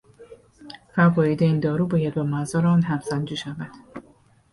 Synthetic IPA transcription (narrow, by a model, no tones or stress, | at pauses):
fævɒːjid̪eiːnd̪ɒːɾuːbɒːjæd̪̚bɒmæzɒːɾeɒːnɦæmsænd͡ʒiːʃævæd̪̥